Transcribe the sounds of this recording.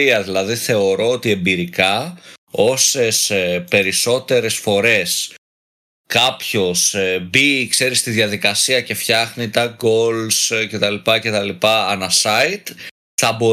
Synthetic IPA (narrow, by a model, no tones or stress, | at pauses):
iɐðilɐðiθe̞o̞ɾo̞ot̪ie̞mbiɾikɐ | o̞se̞spe̞ɾiso̞t̪e̞ɾe̞sfo̞ɾe̞s | kɐpço̞sbikse̞ɾist̪iðjɐðikɐsiɐce̞fçɐxnit̪ɐɡo̞lsce̞t̪ɐlipɐce̞t̪ɐlipɐːnɐsɐit̪ | θɐbo̞